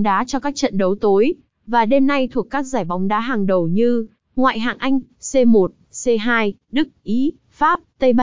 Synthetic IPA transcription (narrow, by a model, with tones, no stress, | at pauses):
ŋ͡mɗaː˨˦t͡ɕɔ˧kaː˦˥k̚t͡ɕə̰˧˨nɗə˨˦wt̪o˨˦j | vaː˨˩ɗe˧mːa˧jt̪ʰu˨˩əkːaː˦˥k̚zaː˧˩jɓɔ˨˦wŋ͡mɗaː˨˦ɦaː˨˩ŋɗə˨˩wɲɨ˧ | ŋwa̰ː˧˨jɦaː˨˩ŋʔa˧jŋ̟ | se˧mo˨˩t̚se˧ɦaː˧jɗɨ˦˥k̚ʔi˨˦ | faː˦˥p̚t̪ə˧jɓ